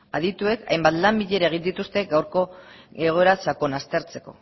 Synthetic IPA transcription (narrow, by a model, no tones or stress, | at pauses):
aðit̪ue̞ka̰jmbat̪lambiʎe̞ɾaeɣ̞ind̪it̪ust̪e̞ɡawɾko̞eɣ̞o̞e̞ɾasako̞nast̪e̞ɾt͡se̞ko̞̰